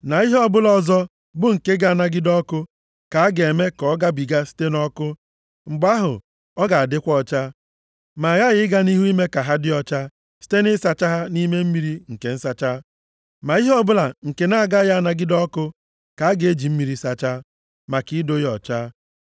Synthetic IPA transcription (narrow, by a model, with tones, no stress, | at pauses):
na˨i˦ɦɔ˦bʊ˦lɔ˨zɔ˦ | bʊ˦ŋ̩˨ke˦ɡa˦a˦˨na˨ɡɪ˦dɔ˦kʊ˦ | ka˨a˦ɡe˨me˦kɔ˦ɡa˦bi˨ɡa˦si̥˦te˦nɔ˦kʊ˦ | ŋ͡m̩˨ɡ͡ba˦ɦʊ̰˨ | ɔ˦ɡa˨a˨dɪ˦kʷɔ˦t͡ʃa˦ | ma˨ɣa˦ɣɪ˦ɡa˦ni˦ɦu˦i˦me˦ka˨ɦa˦dɪ˦ɔ˨t͡ʃa˦ | si̥˦te˦nɪ˦sa˨t͡ʃa˦ɦa˦ni˦me˦m̩˦mi˦ɾi˦ŋ̩˨ke˨n̩˦sa˨t͡ʃa˦ | ma˨i˦ɦɔ˦bʊ˦la˨ŋ̩˨ke˨na˦˨ɡa˦ja˦a˦˨na˨ɡɪ˦dɔ˦kʊ˦ | ka˨a˦ɡe˦d͡ʒi˨m̩˦mi˨ɾi˦sa˨t͡ʃa˦ | ma˨ki˦do˦jɔ˨t͡ʃaː˦